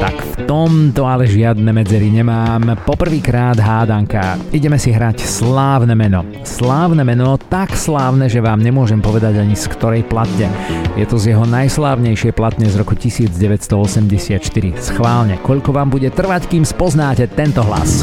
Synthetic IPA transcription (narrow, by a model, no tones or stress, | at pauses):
t̪a̰kft̪ɔmt̪ɔalɛʒɪad̪nɛmɛd͡zɛɾiɲɛmaːmpɔpr̩ʋiːkɾaːd̪ɦaːd̪aŋka̰iɟɛmɛsiɦɾacslaːʊnɛmɛnɔ | slaːʊnɛmɛnɔt̪akslaːʊnɛʒɛʋaːmɲɛmʊɔʒɛmpɔʋɛd̪aɟaɲiskt̪ɔɾɛjplat̪ɲɛjɛt̪ɔzjɛɦɔnajslaːʊɲɛjʃɪɛjplat̪ɲɛzɾɔkucisiːd͡zɟɛʋɛcst̪ɔɔsɛmɟɛsɪat̪ʃt̪iɾḭsxʋaːlɲɛkɔʎkɔʋaːmbuɟɛt̪r̩ʋackiːmspɔznaːcɛt̪ɛnt̪ɔɦla̰s